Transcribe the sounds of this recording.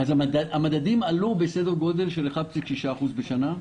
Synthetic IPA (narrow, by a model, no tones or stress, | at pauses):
azaadaamad̪ad̪imalubesed̪eʁɡo̞de̞lʃeleχabt͡sitʃiʃaːχuzbeʃana